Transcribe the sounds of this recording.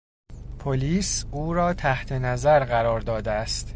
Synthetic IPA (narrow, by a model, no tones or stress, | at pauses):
pʰoliːsuːɾɒːt̪ʰæht̪ʰe̞næzæɾɢæɾɒːɾd̪ɒːd̪eæst̪